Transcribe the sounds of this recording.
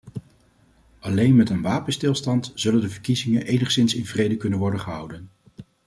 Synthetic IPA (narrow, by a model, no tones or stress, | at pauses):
ʔɑlejnmɛtənʋaːpənstɪlˠstɑntz̥ɵləndəvəɹkizɪŋənʔejnəχsɪnsɪnvrejdəkɵnənʋɔɹdənχəɦʌ̰wdən